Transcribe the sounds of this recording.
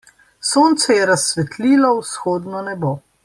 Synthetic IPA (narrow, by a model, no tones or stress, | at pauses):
soːnt̪sɛjɛɾasːʋɛt̪liːlɔwsxoːd̪nɔnɛbo